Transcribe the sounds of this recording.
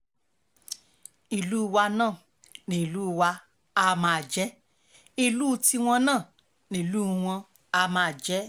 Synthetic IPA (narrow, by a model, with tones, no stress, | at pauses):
i˨lu˦˧wa˧nãː˦˨ | nĩ˨lu˦˧wa˧ | a˧mã˧˨d͡ʒɛ˦ | i˧lu˦˧ti˧w̃ɔ̃˧nãː˦˨ | nĩ˨lu˦w̃ɔ̃˧ | a˧mã˧a˨d͡ʒɛ˦